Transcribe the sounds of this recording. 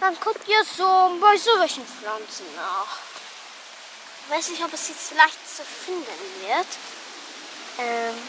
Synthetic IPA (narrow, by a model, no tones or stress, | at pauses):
d̥ankʰʊk̚təzoːmbaɪzovəʃənflant͡sənːaːχ | v̥aɪsnɪçɔpəsit͡səlaɪçtt͡səfɪndənviət | ʔɛm